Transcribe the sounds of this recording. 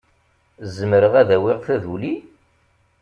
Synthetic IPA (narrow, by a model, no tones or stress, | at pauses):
zəmɾəʁæðæwiʁθæðuli